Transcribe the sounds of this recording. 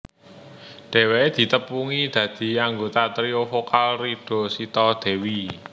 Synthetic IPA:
ɖ̪̥e̤weed̪̥i̤t̪əpuŋid̪̥ä̤d̪̥i̤aŋɡot̪at̪ɾiofokalriɖ̥o̤sit̪ɔd̪̥e̤wi

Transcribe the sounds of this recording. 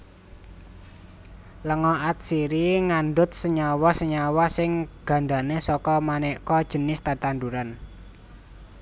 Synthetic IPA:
ləŋɔʔat̪̚siɾiŋanɖʊt̪̚səɲawɔsəɲawɔsɪŋɡ̥a̤ɳɖ̪a̤nesɔkɔmanɛʔkɔd̥ʒ̥ə̤nɪst̪at̪and̪uɾan

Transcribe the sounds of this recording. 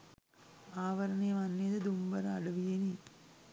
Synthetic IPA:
aːʋɐɾɐnɐjɐmɐnːiːd̪ɐd̪umbɐɾɐɐɽɐʋijeni

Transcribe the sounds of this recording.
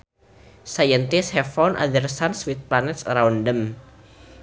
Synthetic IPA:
sajənt̪ishɛfɔnʔa̰d̪ərsanswit̪̚planɛt̪̚sɾaundəm

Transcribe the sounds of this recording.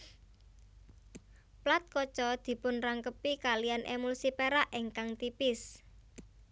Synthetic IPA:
plat̪̚kɔ̥t͡ʃɔd̪̥i̤pʊnraŋkəpikalijanʔemulsipeɾaʔeŋkaŋt̪ipɪs

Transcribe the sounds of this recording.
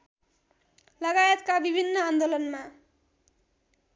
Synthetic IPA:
lʌɡajet̪kabibʱinːʌand̪olʌnma

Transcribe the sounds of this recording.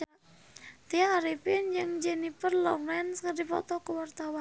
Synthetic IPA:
t̪iaaɾipɪnd͡ʒɨŋd͡ʒɛnipərlɔklɛnskərdipɔ̰t̪ɔkəwart̪awan

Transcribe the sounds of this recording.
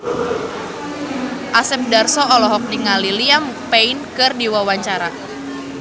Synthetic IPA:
ʔasɛp̚darsɔːlɔɦɔk̚niŋaliliampeinkɨrdiwawaɲt͡ʃaɾa

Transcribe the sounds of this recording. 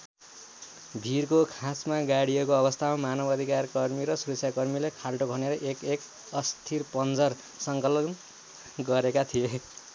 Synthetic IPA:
bʱirkokʰãsmaɡaɽijekoʌbʌst̪ʰamamanʌbʌd̪ʱikarkʌrmiɾʌsuɾesʰjakʌrmilekʰalʈoɡʱʌneɾʌʔekek | ʌst̪ʰirpʌnd͡zʌr | sʌŋkʌlʌn | ɡʌɾekat̪ʰije

